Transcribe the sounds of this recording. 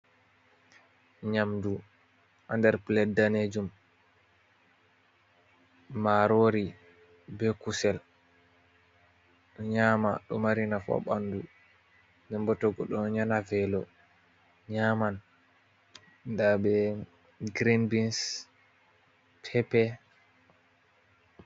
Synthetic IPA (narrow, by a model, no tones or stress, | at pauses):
ɲamdu | ʔandɛɾplɛdːaned͡ʒum | aɾoɾi | bɛkusɛl | ɲamaɗɔ̰maɾinafa̰ɓandu | ndɛmbɔtɔɡɔɗɔɲanavɛlɔ | ɲaman | dabɛ | ɡɾinbins | tʰɛpɛ